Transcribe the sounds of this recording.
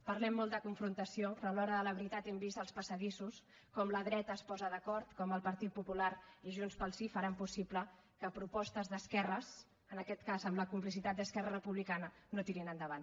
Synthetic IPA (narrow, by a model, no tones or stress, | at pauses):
pəɾlɛmːɔlˠd̪əkuɱfɾunt̪əsiopɾəlɔɾəðələβɾit̪at̪ɛmbist̪əlˠspəsəðisus | kɔmləðɾɛt̪əːspɔzəðəkɔɾt̪kɔməlˠpəɾt̪it̪̚pupulaɾiʒunspəlˠsifəɾampusiplə | kəpɾupɔst̪əzðəskɛrəs | ənəkɛt̪kazəmləkumplisit̪at̪d̪əskɛrərəpuβlikanənot̪iɾinənd̪əβan